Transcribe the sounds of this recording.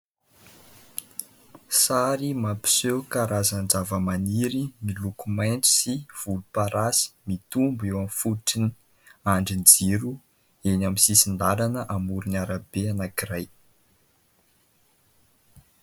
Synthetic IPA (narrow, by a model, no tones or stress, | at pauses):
saɾimapi̥sewkaɾazand͡zavəmaniɾimilukumajnt͡su̥siv̥ulupaɾasi̥mit̪umbuewamifuʈ͡ʂini | aɳɖ͡ʐind͡ziɾu | enamisisind̪alanəʔamuɾinaɾabeanakiraj